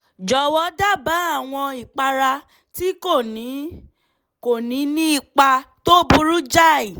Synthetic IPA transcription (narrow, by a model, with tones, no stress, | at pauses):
d͡ʒɔ˨˦wɔ˨˦da˦˨ba˨˦a˦˨w̃ɔ̃˧i˨k͡pa˧ɾa˧ | ti˦ko˦˨nĩ˨˦ | ko˨nĩ˨˦nĩ˦i˦˨k͡pa˧to˦bu˧ɾu˦d͡ʒa˦˨i˨